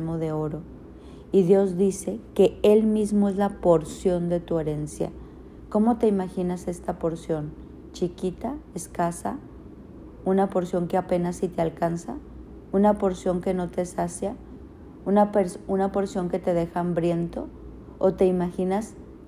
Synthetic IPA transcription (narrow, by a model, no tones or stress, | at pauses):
mo̞ðe̞o̞ɾo̞ | iðjo̞zðise̞ke̞e̞lmizmo̞e̞zlapo̞ɾsjo̞nd̪e̞t̪ue̞ɾe̞nsja̰ | ko̞mo̞t̪e̞imaxinase̞st̪apo̞ɾsjo̞n | t͡ʃikit̪aeskasa | unapo̞ɾsjo̞ŋkeape̞nasit̪ealkansa | unapo̞ɾsjo̞ŋke̞no̞t̪e̞sasja | unapeɾsunapo̞ɾsjo̞ŋke̞t̪e̞ðe̞xambɾje̞nt̪o̞̰ | ot̪e̞imaxinas